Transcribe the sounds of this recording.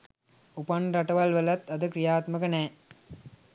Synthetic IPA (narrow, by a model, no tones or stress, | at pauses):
upɐnɾɐʈɐʋɐlʋɐlɐt̪ːɐd̪ɨkɾijaːt̪mɐkɐnɛː